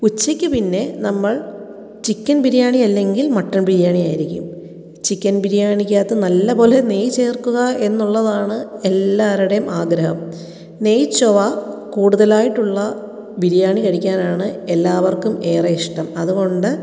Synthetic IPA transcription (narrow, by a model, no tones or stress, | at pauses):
ut͡ɕːikʲːɨpinːe̞nɐmːɐɭ | t͡ɕikʲːɐnbiɾjaːɳiɐlːe̞ŋɡilmɐʈːɐnbiɾijaːɳijaːjiɾikʲːṵm | t͡ɕikʲːɐnbiɾijaːɳikʲːaːt̪ːɐnɐlːɐpo̞ːle̞ne̞jt͡ɕe̞ːrkuɣɐe̞nːuɭːɐðaːɳɨe̞lːaːɾuɽejumʔaːɡɾɐhɐ̰m | ne̞jt͡ɕːoʋɐkuːɽuðɐlaːjiʈːuɭːɐ | biɾjaːɳikɐɽikʲːaːnaːɳɨelːaːʋɐrkume̞ːrɐiʂʈɐmɐðuɣo̞ɳɖɨ